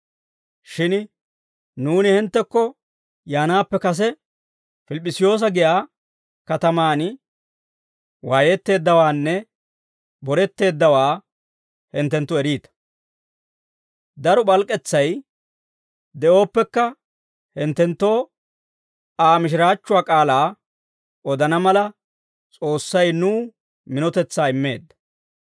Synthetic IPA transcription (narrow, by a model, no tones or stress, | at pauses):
ʃɪn | nuːnɪhɪnt̪ːɛkːɔ | jaːnaːpːɛkɐs̬ɛ | fɪlɪpʼːɪsɪjo̞ːs̬ɐɡɪjaː | kɐt̪ɐmaːn | waːjɛt̪ːe̞ːd̪ːɐwaːnːɛ | bɔɾɛt̪ːe̞ːd̪ːɐwaː | hɪnt̪ːɛnt̪ːʊɛɾiːt̪ɐ̥ | d̪ɐɾɔbɐlkʼːɛt͡sːɐj | d̪ɛo̞ːpːɛkːɐ | hɪnt̪ːɛnt̪ːo̞ː | aːmɪʃ̬ɪɾaːt͡ʃːʊwaːkʼaːlaː | ɔd̪ɐnɐmɐlɐ | t͡sʼo̞ːsːɐjnuː | mɪnɔt̪ɛt͡sːaːɪmːe̞̰ːd̪ːɐ̥